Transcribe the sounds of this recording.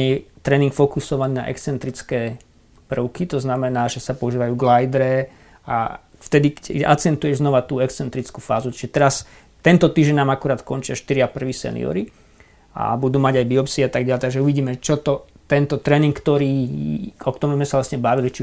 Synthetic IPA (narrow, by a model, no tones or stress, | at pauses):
ɛt̪ɾɛːniŋkfɔkusɔʋaniːna̰ʔɛ̰kst͡sɛnt̪ɾit͡skɛː | pr̩ʊkit̪ɔznamɛnaːʒɛsapɔuʒiːʋajuːɡlajd̪ɾɛ | a̰ | ft̪ɛd̪ikɛʔa̰t͡sɛnt̪ujɛʒznɔʋat̪uːɛkst͡sɛnt̪ɾit͡skuːfa̰ːzuti̥ʒɛt̪ɛɾas | t̪ɛnt̪ɔt̪iːʒɟɛɲnaːmakuɾaːt̪kɔnt͡ʃɪaʃt̪iɾɪapr̩ʋiːsɛ̰nḭɔ̰ɾi | a̰bud̪uːmaɟajbiɔpsiat̪aɡ̚ɟaʎɛt̪aɡʒɛuʋiɟiːmɛt͡ʃɔt̪ɔt̪ɛnt̪ɔt̪ɾɛːniŋkːt̪ɔɾiːɔkt̪ɔmumzmɛsaʋlasɲɛbaʋilit͡ʃi